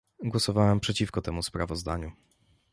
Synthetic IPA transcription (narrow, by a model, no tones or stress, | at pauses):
ɡwɔsɔvawɛmpʂɛt͡ɕifkɔt̪ɛmuspɾavɔzd̪a̰ɲu